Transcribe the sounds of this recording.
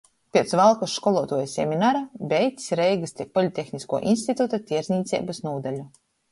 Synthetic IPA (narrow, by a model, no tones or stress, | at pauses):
pʲiɛt̪svalˠkusʃkɔlˠuɔt̪uɔjasʲɛmʲinaɾabʲɛjt̪ʲsʲɾɛjɡɨst̪ʲipɔlʲit̪ʲːexnʲiskuɔʔinst̪ʲit̪ut̪at̪ʲiɛɾzniːt̪sʲɛ̰bɨsnuːd̪alʲu